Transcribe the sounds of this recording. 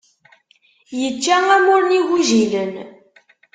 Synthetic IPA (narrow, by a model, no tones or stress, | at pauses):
jət͡ʃːææmʊɾəniɣiʒilən